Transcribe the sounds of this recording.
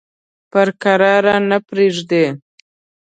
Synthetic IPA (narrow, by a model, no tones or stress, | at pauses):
pəɾkaɾɑɾanapɾeʐd̪e